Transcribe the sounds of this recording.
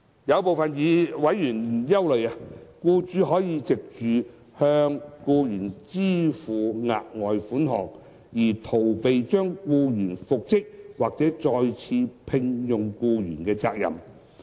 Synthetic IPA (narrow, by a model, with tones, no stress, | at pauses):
jɐ˨˧wpo˨wfɐ˨njiː˨˧wɐ˨˥jːyː˨˩n˩˨jɐ˥wlɵ˨ɥa˧kuː˧t͡ʃyː˨˥ɦɔː˨˥jiː˨˧t͡sɪ˨k̚t͡ʃyː˨ | hœː˧ŋkuː˧jyː˨˩nt͡siː˥fuː˨ŋa̰ː˨t̚ŋɔː˨jfuː˨˥nɦɔ̰ː˨ŋ | jiː˨˩t̪ʰo˨˩wpe˨jt͡ʃœː˥ŋkuː˧jyː˨˩nfʊ˨k̚t͡sɪ˥k̚waː˨k̚t͡sɛː˨˥t͡ʃɔː˧jt͡sʰiː˧pʰɪ˧ŋjʊ˨ŋkuː˧jy̰ː˨˩nkɛː˧t͡sa̰ː˧k̚jɐ̰˨m